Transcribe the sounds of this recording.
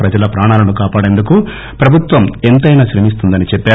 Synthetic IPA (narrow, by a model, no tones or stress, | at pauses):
pɾɐd͡ʒɐlɐpɾaːɳaːlɐnukaːpaːɽe̞nd̪uku | pɾɐbʱut̪ʋɐme̞nt̪ɐjnaːʃɾemis̬t̪und̪ɐnit͡ʃɛpːaː